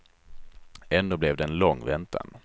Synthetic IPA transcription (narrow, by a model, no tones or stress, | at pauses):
ɛnd̪oːblɛvd̪ɛːnlɔŋːvɛnt̪ʰa̰n